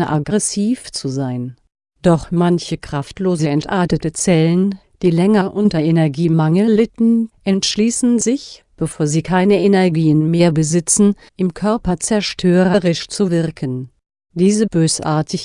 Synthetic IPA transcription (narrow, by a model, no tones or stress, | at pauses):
əʔaɡʁɛsiːft͡suzaɪn | d̥ɔχmançəkʁ̥aftloːzəɛntʔaɐtətət͡sɛlən | d̥iːlɛŋɐʔʊntɐʔenɛɐɡiːmaŋəl̩lɪtn̩ʔɛntʃliːsn̩zɪç | b̥əfoːɐziːkʰaɪnəenɛɐɡiːənmeːɐbəzɪt͡sn̩ | ʔɪmkʰœɐpɐt͡sɛɐʃtʰøːʁəʁɪʃt͡suvɪɐkʰən | d̥iːzəbøːsʔa̰ːɐtʰɪç